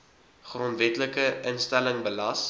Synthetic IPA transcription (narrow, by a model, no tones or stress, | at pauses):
χrɔntvɛtləkəʔənstæləŋbəlɐs